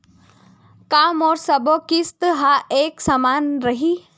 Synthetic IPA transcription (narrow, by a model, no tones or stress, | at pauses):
kaːmɔːɾsɐbokist̪ɦaʔeːksamaːnɾɐɦiː